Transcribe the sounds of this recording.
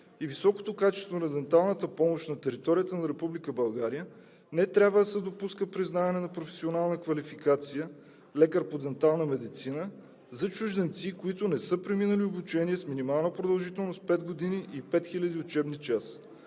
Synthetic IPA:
ivisɔko̥t̪okat͡ʃɛ̥st̪vonɐd̪ɛnt̪alˠnət̪əpɔmoʃnɐt̪ɛɾit̪ɔɾijət̪ənɐɾɛpublikəbɐlˠɡaɾijə | nɛt̪ɾʲjabvəd̪ɐsɛd̪opuskəpɾiznavɐnɛnɐpɾofɛ̥sionalˠnəkvɐlifikat̪sijə | lɛkəɾpod̪ɛnt̪alˠnəmɛd̪it̪sinə | zɐt͡ʃuʒd̪ɛnt̪sikoit̪ʊnɛsɤpɾiminəliobut͡ʃɛniɛsminimalˠnəpɾod̪ɐlˠʒit̪ɛlˠnost̪pɛd̪ɡod̪iniʔipɛt̪xilʲəd̪iʊt͡ʃɛbnit͡ʃas

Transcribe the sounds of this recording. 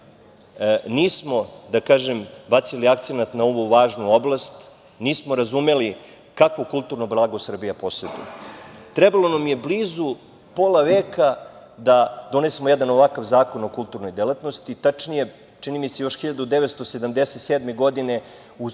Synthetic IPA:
niːsmo̞d̪akaːʒembat̪siliakt̪senat̪nao̞ʋuʋaːʒnuoblˠast̪ | niːsmo̞ɾazume̞li | kakʋokulˠt̪uɾnoblˠaːɡosr̩bijaposed̪nṵt̪ɾebalˠo̞namije̞bliːzu | poːlˠaʋeːkad̪ad̪o̞nesemojed̪ano̞ʋakaʋzaːko̞no̞kult̪uɾno̞jd̪elˠat̪no̞st̪it̪at͡ʂnije̞ | t͡ʃinimise̞jo̞ʃxiʎad̪ud̪eʋet̪st̪osed̪amd̪eset̪seːd̪meɡo̞d̪ine̞ | u

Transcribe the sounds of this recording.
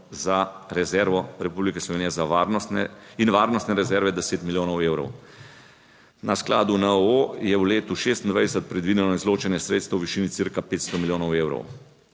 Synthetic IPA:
zaɾɛzɛɾʋɔɾɛpublikɛslɔʋeːnijɛzaʋaɾnɔsnɛinʋaːɾnɔst̪nɛɾɛzɛɾʋɛd̪ɛseːt̪miljoːnɔweːwɾɔ̰w | naskla̰ːd̪unaojɛwleːt̪uʃeːst̪ind̪ʋa̰jd̪ɛsət̪̚pɾɛd̪ʋiːd̪ɛnɔizloːt͡ʃɛnjɛsɾeːt̪st̪ʋɐwʋiʃiːnit̪siɾkapeːt̪st̪ɔmiljoːnɔweːwɾɔ̰w

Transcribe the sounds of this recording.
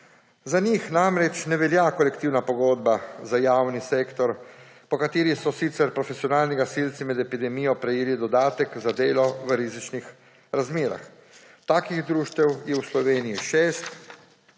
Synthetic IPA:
zanixnamɾɛt͡ʃnɛʋɛljakɔlɛkt̪iwnapɔɡoːd̪̚bazajawniseːkt̪ɔɾ | pɔkat̪eːɾisɔsit̪sɛɾpɾɔfɛsijɔnaːlniɡasilt̪simɛd̪ɛpid̪ɛmijɔpɾɛjeːlid̪ɔd̪aːt̪ɛkzad̪eːlɔʋəɾizit͡ʃnix | ɾazmeːɾa̰x | t̪aːkiɣd̪ɾuːʃt̪ɛwjɛwslɔʋeːnijiʃeːst̪

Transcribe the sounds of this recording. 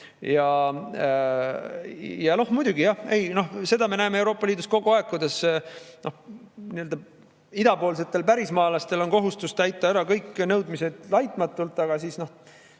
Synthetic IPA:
jɑ | jɑno̞hmujd̪̥ʲuɡijɑhe̞jno̞hse̞d̪ɑme̞næemee̞wɾo̞ːpːˑɑliːd̪usko̞ɡ̥uɑe̞kːud̪esnʔo̞hniø̞ld̪ɑ | id̪ɑpo̞ːls̬e̞t̪ːˑe̞lpæɾismɑːlɑst̪e̞lo̞nko̞ɦust̪ust̪æjt̪ːˑɑæɾɑkɤjkːnɤwd̪mise̞d̪̥lɑjt̪ˑmɑt̪ːˑult̪ːˑɑɡ̥ɑsiːsno̞h

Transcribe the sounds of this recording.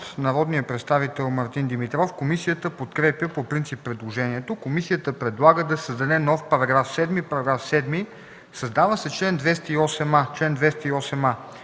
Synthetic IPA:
t̪nɐɾɔd̪nijəpɾɛt̪st̪avit̪ɛlˠmɐɾt̪ind̪imit̪ɾɔfkomisijət̪əpot̪kɾɛpjəpopɾint̪sipːɾɛd̪lˠoʒɛniɛt̪okomisijət̪əpɾɛd̪lˠaɡəd̪ɐsəzd̪ɐd̪ɛnɔfpɐɾɐɡɾafsɛd̪mipɐɾɐɡɾafsɛd̪mi | sɐzd̪avəsɛt͡ʃlɛnd̪vɛst̪əiɔsɛmat͡ʃlɛnd̪vɛst̪ɐiɔsɛma

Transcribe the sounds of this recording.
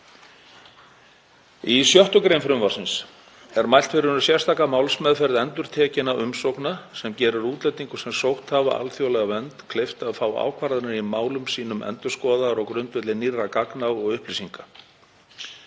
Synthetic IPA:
isjœht̪ʏkɾejnfɾʏmvaɾ̥sɪns | ɛɾmajlt̪fɪɾnʏsjɛrst̪ʰaːkamaːwlsmɛðfɛɾðɛnt̪ʏɾ̥t̪ʰɛːcɪnaʔʏmsowknasɛmcɛːɾʏɾuːt̪lɛjt̪ːiŋkʏ̥sɛmsowht̪hava̰ʔa̰lθjowlɛɣavɛnt̪kʰleft̪aðfaːwa̰ːwkʰvaɾðɪnaɾimaːwlʏmsiːnʏmɛ̰nt̪ʏ̥skɔːðaɾɔkɾʏnt̪vɛt̪lɪnirːakaknaɔɣʏhplisiŋka

